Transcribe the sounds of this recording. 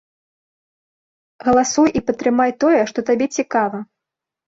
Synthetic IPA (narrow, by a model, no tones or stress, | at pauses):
ɣɐlˠasujʔipɐt̪ɾɨmajt̪ɔjɛʂt̪ɔt̪abʲɛt͡sʲikavɐ